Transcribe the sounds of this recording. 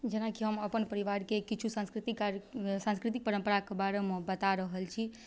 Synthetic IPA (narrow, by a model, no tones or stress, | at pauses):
d͡ʒenakiɦəməpənpəɾiʋaɾkekit͡ʃʰusãnskɾit̪iksãnskɾit̪̬ik̚pəɾəmpəɾakebaɾemebət̪aɾəɦəlt͡ʃʰi